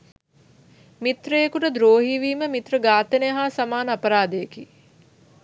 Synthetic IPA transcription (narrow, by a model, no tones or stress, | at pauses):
mit̪ɾəjekuʈəd̪ɾoːɦiːʋiːməmit̪rəɡaːt̪ənejɦaːsamaːnəapəɾaːd̪ejekiː